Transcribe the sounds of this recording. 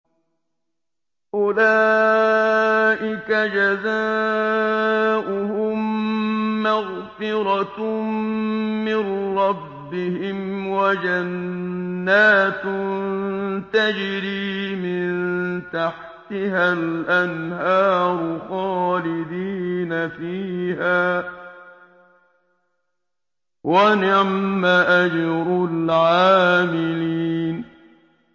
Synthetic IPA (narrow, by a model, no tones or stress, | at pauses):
ʔʊlaː | ʔɪkad͡ʒazaː | ʔʊhʊmː | aɣfɪɾɑ | mɪnɾˤɑbːɪhɪmwad͡ʒanː | aːt̪nnt̪ad͡ʒɾiːmɪnt̪aħ | t̪ɪhalʔanhɑːɾˤxɑːlɪd̪iːnafiːhaː | wʔanɪʕmaʔad͡ʒɾˤʊlʕaːmɪliːn